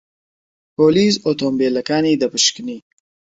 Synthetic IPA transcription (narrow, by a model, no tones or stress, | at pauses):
poːlizot̪oːmbelɐkaːnid̪ɐpəʃkni